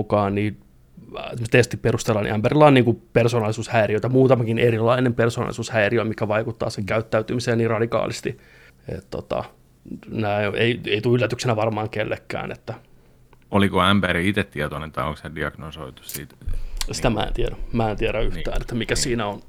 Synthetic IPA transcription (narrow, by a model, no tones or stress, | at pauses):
ukɑːnniː | emost̪est̪iperust̪elːɑːnḭʔæmpærilːɑːniːŋkupersoːnɑlisuːshæiriøit̪æmuːt̪ɑmɑkineɾilːˑɑinempersoːnɑ̰lḭsuːshæiriomikːæʋɑikut̪ːɑ̰ːseŋkæyt̪ːæyt̪ymiseːnniːrɑdikɑ̰ːlist̪i | ḛt̪t̪ːo̰t̪ɑ̰ | næioʔeieit̪uylːæt̪yksenæʋɑrmɑːŋkelːekːæ̰ːnḛt̪ːæ | olikoæmpæriit̪et̪t̪ːiɛt̪onent̪ɑ̰o̰ŋksediɑɡ̥noso̰it̪u̥ssḭt̪sit̪æmæ̰ḛnt̪iæɾæmæːent̪ieɾæyht̪æ̰ːnet̪ːæmikæsiːnæon